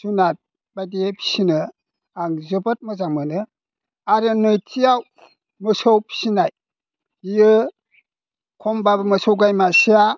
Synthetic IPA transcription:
sunat̚ | bajdiepʰi̥sinɯ | aŋzɯbat̚mɯzaŋmɯnɯ | aɾɯnɯjtijaw | mɯsowpʰi̥sinaj | ijɯ | kʰombabɯmɯsowɡajmasija

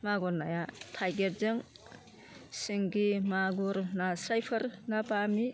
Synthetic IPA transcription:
maɡunajatʰajɡeɾzɯŋ | siŋɡimaɡuɾnasajpʰɐɾnapami

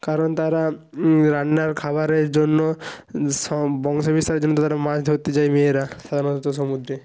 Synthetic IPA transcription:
kaɾont̪aɾa | ɾanːaɾkʰaβaɾeɾd͡ʑonːo | ɔbɔŋʃobist̪aɾeɾd͡ʒonːot̪aaɾamãd͡ʑd̪ʱoɾt̪et͡ɕajmeeɾaʃad̪ʱaɾnot̪ot̪oʃ̬omud̪ɾe

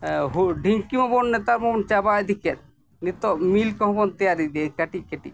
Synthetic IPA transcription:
ɦuɖʱiŋkimɔbɔnːɛt̪aɾmɔɔnt͡ʃabajd̪ikɛt̪̚ | nit̪ɔmilkɔ̃ɦɔ̃bɔnt̪ɛjaɾid̪ɛkaʈikeʈi

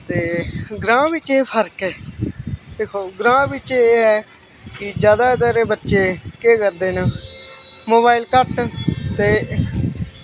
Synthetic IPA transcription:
t̪eːɡɾãːʋɪt͡ʃeːpʰəɾkɛː | d̪eːkʰoːɡɾãːʋɪt͡ʃeeːɦɛː | kɪd͡ʒjaːd̪aːd̪aːɾeːbətːʃeːkeːkəɾd̪eːna | moːbaːilkəʈt̪eː

